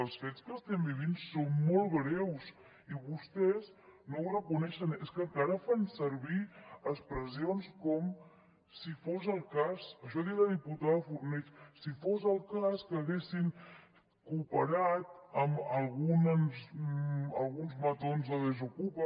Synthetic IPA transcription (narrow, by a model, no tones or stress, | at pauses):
əlˠsfet͡skəst̪ɛmbiβinsonmɔlˠβɾɛws | iβust̪ɛznowrəkunɛʃəneskəkaɾəfansəɾβiəspɾəzionskɔm | sifozəlˠkasəʃ̬ɔðiðəðiput̪aðəfurnɛt͡ʃsifozəlˠkaskəːɣesiŋ | kupəɾat̪̚əməlˠɣunəz | əlˠɣunzmət̪onzðəðəzukupə